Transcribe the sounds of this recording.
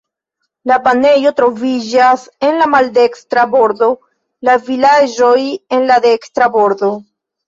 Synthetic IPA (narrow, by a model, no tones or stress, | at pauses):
lapane̞jo̞tɾo̞vid͡ʒase̞nlamalde̞kstɾabo̞ɾd̪o̞ | lavilad͡ʒo̞je̞nlade̞kstɾabo̞ɾd̪o̞